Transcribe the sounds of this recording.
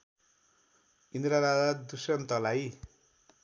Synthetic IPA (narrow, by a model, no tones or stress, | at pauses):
ind̪ɾaɾad͡z̪ad̪usʌnt̪ʌlaj